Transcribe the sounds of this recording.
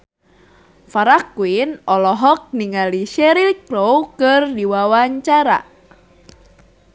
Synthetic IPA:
faɾakwinɔlɔɦɔk̚niŋaliʃɛɾikɾowkɨrdiwawaɲt͡ʃaɾa̰

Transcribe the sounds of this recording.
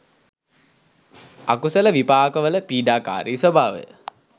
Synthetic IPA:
akusələʋipaːkəʋələpiːɖaːka̰ːɾiːsobʱaːʋə̰j̰

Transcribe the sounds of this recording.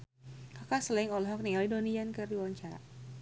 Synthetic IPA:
kakasəlɪŋolɛɦɔk̚nialidoniankərdiwaɲt͡ʃaɾa̰

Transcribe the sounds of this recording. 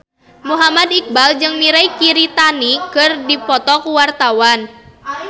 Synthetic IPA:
muɦamad̪ik̚bald͡ʒɨŋmiɾajkiɾit̪anikɨrdipɔt̪ɔkuwart̪awan

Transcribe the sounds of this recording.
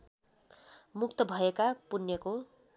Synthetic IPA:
mukt̪ʌbʱʌekapunjʌko

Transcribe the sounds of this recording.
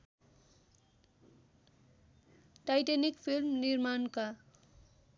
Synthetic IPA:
ʈajʈenikpʰilmnirmanka

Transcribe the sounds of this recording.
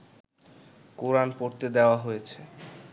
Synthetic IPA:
koɾanpoɾt̪ed̪eoaɦojet͡ɕʰe

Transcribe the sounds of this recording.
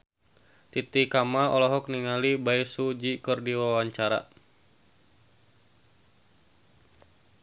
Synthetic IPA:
t̪it̪ikamaɔ̰lɔɦɔk̚niŋalibaisud͡ʒikɨrdiwawaɲt͡ʃaɾa̰

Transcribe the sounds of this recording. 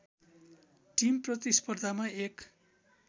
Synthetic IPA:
ʈimprʌt̪ispʌrd̪ʱamaek

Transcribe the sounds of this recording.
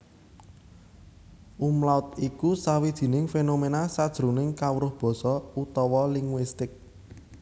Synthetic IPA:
ʔumlaʊt̪ikusawid̥ʒ̥i̤nɪŋfenomenasad̥ʒ̥ɾṳnɪŋkawɾʊhb̥ɔ̤sɔut̪ɔwɔliŋwist̪ɪk̚

